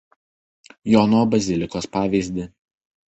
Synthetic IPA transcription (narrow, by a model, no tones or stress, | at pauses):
jɔnoːbɐzʲɪlʲɪkoːspɑːʋʲiːˑzʲd̪ʲɪ